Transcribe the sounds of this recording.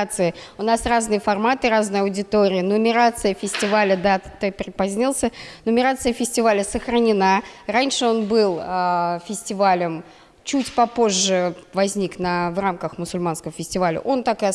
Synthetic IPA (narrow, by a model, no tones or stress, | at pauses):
t̪sɨjɪʊnasraznɨjəfɐrmat̪ɨɾaznɨjɐʊdʲɪt̪oɾʲɪjənəmʲɪɾat̪sɨjəfʲɪsʲtʲɪvalʲəd̪at̪opʲɾʲɪpɐzʲnʲilˠsʲənəmʲɪɾat̪sɨjəfʲɪsʲtʲɪvalʲəsəxɾənʲɪnaranʲʂɨo̞nbɨlˠəfʲɪsʲtʲɪvalʲəm | t͡ɕutʲpɐpo̞ʐːɨvɐzʲnʲiknəvramkəxmʊsʊlʲmanskəvəfʲɪsʲtʲɪvalʲə̰ʔo̞nt̪ak